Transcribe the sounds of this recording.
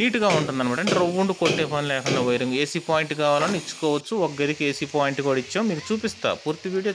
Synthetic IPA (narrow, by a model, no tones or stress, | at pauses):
niːʈuɡaːuɳʈund̪ɐnɐmɐːʈɐɳʈeɾɐʋːuɳɖukoʈːeːpɐnilɛːkɐɳɖɐʋɐjɾɐŋɡeːsiːpaːjiɳʈkaːʋaːlɐniit͡ʃːu̥kɔːʋɐt͡ʃːuɔɡɐɾikeːsiːpaːjiɳʈɡoɽɐit͡ʃːaːmiːkut͡ʃuːpist̪a̰ːpuːɾt̪iʋiːɽijo